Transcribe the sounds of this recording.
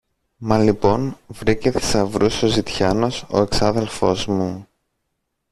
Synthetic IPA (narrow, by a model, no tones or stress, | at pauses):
mɐlipo̞nvɾiceθi̥sɐvɾusozit̪çɐno̞so̞̰e̞ksɐðe̞lfo̞zmu